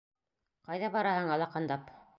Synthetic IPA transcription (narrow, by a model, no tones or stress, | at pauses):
qɑjðɑbɑɾɑhɤɴɑlˠɑqɑnd̪ɑp